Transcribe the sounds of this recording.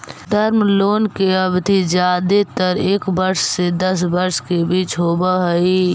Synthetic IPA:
d̪ʱəɾmloːnkeəbd̪ʱid͡ʒjaːd̪et̪əɾeːkbəɾssed̪əsbəɾskebiːt͡ʃɦoːbaɦəi

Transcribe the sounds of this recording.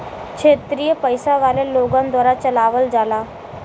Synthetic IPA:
kʂʰet̪ɾiːjəpəjsaʋaleloɡãnd̪ʋaɾat͡ɕəlaʋəld͡zʱala

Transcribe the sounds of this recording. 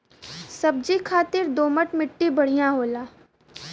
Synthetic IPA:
sɐb̚d͡ʒikʰaːt̪ɪɾd̪oːməʈmɪʈːibɐɽ̤ijãɦoːlaː

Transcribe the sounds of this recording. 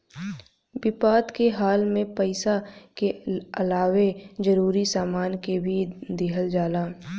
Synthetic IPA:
bɪpaːd̪keɦaːlmẽpəɪsakeɐlaːwed͡ʒəɾuːɾisaːmaːnkebʱid̪ɪɦəld͡ʒaːlaː

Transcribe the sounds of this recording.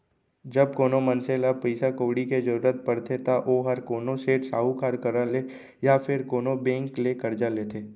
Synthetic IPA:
d͡ʒɐb̚koːnomɐnselapəɪsakoːɽiked͡ʒəɾuːɾət̪̚pəɾt̪ʰet̪aʔoɦɐɾkoːnoseːʈsaːɦukaːɾkɐɾale | jafʰɪɾkoːnobẽːŋklekɐɾd͡ʒaleːt̪ʰeː

